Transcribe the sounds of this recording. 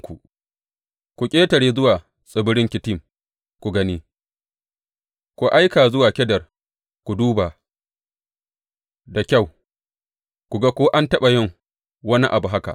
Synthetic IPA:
ku˨ | kʷu˨kʲʼeː˦tɐ˨ɽeː˦zʊ˦waː˨ | sʼɪ˨bʊ˦ɽɪ˦ŋkʲɪ˨tɪ˦˨m | kʷu˨ɡɐ˦niː˦ | kʷu˨ʔa˦jkaː˨zʊ˦waː˨kʲɛ˦dɐ˨r | kʷu˨duː˦baː˨ | da˨kʲa˦˨w | kʷu˨ɡa˦kʷoː˦ʔa˦ntɐ˦ɓa˨jɪ˦˨ŋ | wɐ˦ni˦ʔa˨bu˨ɦa˦ka̰˨

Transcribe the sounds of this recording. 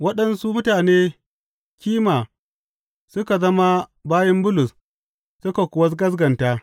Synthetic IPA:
wɐ˦ɗɐ˦nsu˦mʊ˦taː˨neː˦ | kʲiː˦maː˨ | sʊ˦ka˨zɐ˦ma˦baː˦jɐ˦mbʊ˦lʊ˨s | sʊ˦ka˨kʷʊ˨wɐ˦s̬ɡɐ˦s̬ɡɐ˨ntaː˦

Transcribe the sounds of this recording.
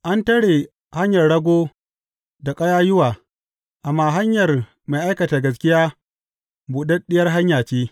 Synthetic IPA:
ʔa˦ntɐ˦ɽeː˨ | ha˦ɲjɐ˨rɽɐ˦ɡʷoː˦ | da˨kʼɐ˦jaː˦jʊ˦waː˨ | ʔa˨mːaː˦˨ɦa˦ɲjɐ˨r | ma˨ʔa˦jkɐ˨taː˨ɡɐ˨s̬kʲɪ˦jaː˦ | bu˨ɗɐ˦ɗɪ˦jɐ˦rɦa˦ɲjaː˨t͡ʃeː˦

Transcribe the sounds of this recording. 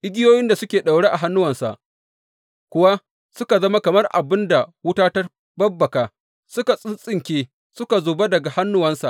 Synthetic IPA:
ʔɪ˦ɡʲɪ˦joː˦jɪ˦nda˨sʊ˦kʲeː˨ɗa˨wɽeː˦ʔa˨ɦa˦nːʊ˦wɐ˨nsa̰˨ʔ | kʷʊ˦wa˦ | sʊ˦ka˨zɐ˦ma˦kɐ˨mɐ˦rʔa̰˨bɪ˦nda˨wʊ˦taː˦tɐ˦ | bɐ˦bːɐ˨kaː˨ | sʊ˦ka˨sʼɪ˦nsʼɪ˦ŋkʲeː˦ | sʊ˦ka˨zoː˨be˦dɐ˨ɡa˨ha˦nːʊ˦wɐ˦nsa̰˨ʔ

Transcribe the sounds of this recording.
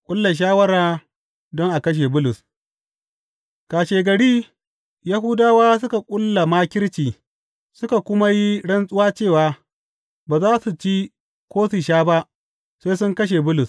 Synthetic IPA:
kʷʼʊ˦lːa˨ʃ̬aː˦wɐ˦ɽaː˦ | dɔ˦ŋʔa˨kɐ˦ʃ̬e˨bʊ˦lʊ˨s | kaː˨ʃeː˨ɡɐ˨ɽiː˦ | ja˦ɦʊ˦daː˦waː˦s̬ʊ˦ka˨kʷʼʊ˦lːa˨maː˦kʲɪ˦ɽt͡ʃiː˨ | sʊ˦ka˨kʷʊ˦ma˦ji˦ɽɐ˦nsʼʊ˦waː˦t͡ʃeː˦˨waː˨˦ | baː˨zaː˦su˨t͡ʃi˦ | kʷoː˦si˨ʃaː˦ba˦ʔ | seː˦sʊ˦ŋkɐ˦ʃ̬e˨bʊ˦lʊ˨s

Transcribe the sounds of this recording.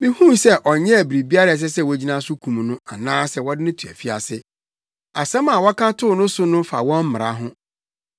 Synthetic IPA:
mĩ˦hũ˦sɛ˦ʔɔ˨ɲɛ̃˦æ˨bi˨ɾi˨bi˦a˦ɾa˨s̬ɛ˦sɛ˦˨wɔ˨˦d͡ʑi˦nã˦sʊ˦kʰũ˨m̃˨nʊ̃˦a˨nãː˦sɛ˦wɔ˦dɪ˦nɪ̃˦tʰu˨æ̰˨fi˦a̰˨sɪ˦ | a˨sɛ̃˦mã˨wɔ˦kʰã˦tʰʊ˦˨˦nʊ̃˦sʊ˦nʊ̃˦fa̰˨wɔ̃˦m˦mɪ̃˨ɾa̰˨˦ɦʊ̃˦

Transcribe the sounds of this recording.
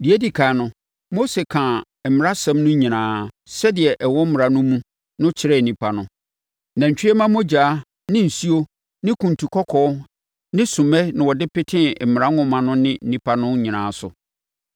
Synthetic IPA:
di˨e˦di˨kʰaː˨˦˨nʊ̃˨˦ | mo˦se˨kʰã˨ | mɪ˨ɾa˦sɛ̃˦mnʊ̃˦ɲĩ˨nãː˨˦ | sɛ˦dɪ˨ɛ˨ʔɛ˨wɔ˦m̩˦mɪ˨ɾa˨nʊ̃˦mũ˦ | nʊ̃˦t͡ɕʰɪ˨˦ɾɛ˦˨nĩ˨pʰa˨nʊ̃˦ | nã˨ɲ˨t͡ɕᶣɪ˦ɛ˦mã˦m˦o˦d͡ʑaː˨˦ | nɪ̃˦n̩˨si˦o˦ | nɪ̃˦kʰũ˨n˨tʰu˨kʰɔ˦kʰɔ˦ | nɪ̃˦sũ˨mɛ˦nɪ̃˨wɔ˨dɪ˦pɪ˦tʰɪ̃˦m̩˨m˨ɾa˦ŋʊ̃˦mã˨nʊ̃˦nɪ̃˦n̩˦˨nĩ˨pʰa˦nʊ̃˦ɲĩ˨nã̰ː˨˦sʊ˨

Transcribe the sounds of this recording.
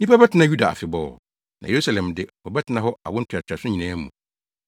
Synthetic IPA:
nĩ˦pa˦bɛ˦tʰɪ˨˦nã˦ju˦da˨a̰˨fɪ˨bɔː˨ | nã̰˨je˨ɾu˦sa˨lɛ̃˨mdɪ˦ɔ˨bɛ˦tʰɪ˨nã˦ɦɔ˦a̰˨wɔ̃˦n̩˦tʰʊ˨a˨tʰᶣa˨sʊ̃˦ɲĩ˨nãː˦mũ˨

